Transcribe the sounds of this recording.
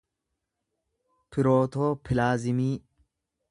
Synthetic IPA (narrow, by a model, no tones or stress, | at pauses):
pʰɪɾoːt̪oːpʰɪlaːzɪmiː